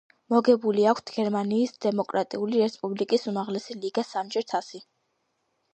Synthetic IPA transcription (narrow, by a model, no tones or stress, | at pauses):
mɔɡɛbuliakʷʰt̪ʰɡ̥ɛɾmaniːsd̪̥ɛmɔkʼɾat̪ʼḭuliɾɛspʼublikʼisumaʁlɛsiliɡasamd͡ʒʼɛɾt̪ʰasi